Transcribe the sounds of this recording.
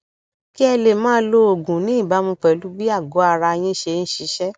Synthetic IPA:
ki˦ɛ˧le˨mãː˦lo˦o˨ɡũ˨nĩ˨˦i˦˨ba˨˦mũ˧k͡pɛ˨lu˨˦bi˦a˦˨ɡo˨˦a˧ɾa˧j̃ĩ˦ʃe˧n̩˦ʃi˨˦ʃɛ˦

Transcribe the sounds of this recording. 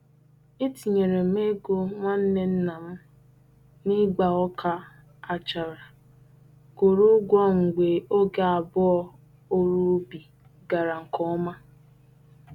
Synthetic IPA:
i˦ti˨ɲe˨ɾe˨m˦e˦ɡo˦ŋʷa˦n̩˦ne˦n̩˦na˨m̩˦ | ni˦ɡ͡ba˨ɔ˦kʰa˦ | a˨t͡ʃa˨ɾa˨ | ko˨ɾu˦ɡʷɔ˦ŋ̩˨ɡʷe˨o˦ɡe˦a˨bʊ˦ɔ˦ | o˦ɾu˦bi˨ | ɡa˨ɾa˨ŋ̩˨kɔ˦ɔ˦ma˦

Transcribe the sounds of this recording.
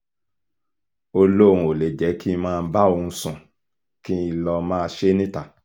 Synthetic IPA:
o˧lo˦˨ũ˨o˨le˨d͡ʒɛ˨˦ki˦mãː˦˧n̩˦ba˦o˧ũ˧˦sũ˨ | kĩ˦i˧lɔ˧mãː˦˧ʃe˦nĩ˦ta˦˨

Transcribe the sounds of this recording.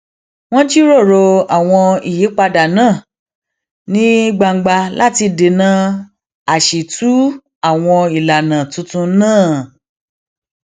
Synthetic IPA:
w̃ɔ̃˦d͡ʒi˦ɾo˦˨ɾo˧a˨w̃ɔ̃˧i˦˨je˨˦k͡pa˧da˨nãː˦˨ | nĩ˦i˦ɡ͡ba˧ŋ̩˨ɡ͡ba˧la˦ti˧de˨nã˦ | a˦˨ʃe˨tʰu˨˦ | a˦˨w̃ɔ̃˧i˨la˨nã˨tũ˧tũ˧˦nãː˦˨

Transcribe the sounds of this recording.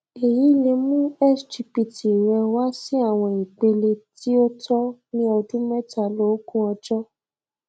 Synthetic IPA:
e˨ji˨˦le˧mũ˦ɛ˦˨sti˧pi˨ti˨ɾɛ˧wa˦sĩ˦a˦˨w̃ɔ̃˧ĩ˨k͡pe˧le˧ti˦o˦tɔ˦nĩ˦ɔ˧dũ˦mɛ̃˦ta˧˨lo˨˦kũ˦ɔ̃˧d͡ʒɔ˦

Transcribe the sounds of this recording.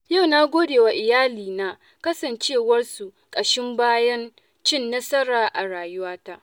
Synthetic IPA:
ja˦˨wnaː˦ɡʷoː˦deː˨wa˨ʔɪ˨jaː˦liː˨naː˨˦ | kɐ˦sɐ˨nt͡ʃeː˦wɐ˦rsu˨ | kʼɐ˨ʃɪ˦mbaː˦jɐ˦n | t͡ʃɪ˦˨nːɐ˦sɐ˦ɽaː˨ʔa˨ɽaː˨jʊ˦waː˦ta˦ʔ

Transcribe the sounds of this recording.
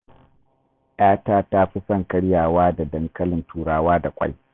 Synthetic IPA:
ʔaː˦taː˦ta˦ɸi˦sɐ˦˨ŋkɐ˦ɽjaː˨waː˦da˨dɐ˦ŋkɐ˦lɪ˨ntʰuː˨ɽaː˦waː˦da˨kʷʼɐ̰˦j

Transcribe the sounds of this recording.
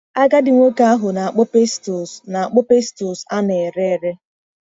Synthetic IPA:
a˦ɡa˦dɪ˨ŋʷo˦ka˦a˦ɦʊ˨na˨a˨k͡pʊ˦pe˦sto˨sna˨a˨k͡pʊ˦pe˦sto˨sa˦ne˨ɾe˦˨ɾe˦

